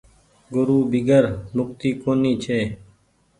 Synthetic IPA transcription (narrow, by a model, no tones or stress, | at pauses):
ɡʊɾuːbiɡəɾmʊk̚t̪iːkoːniːt͡ʃʰeː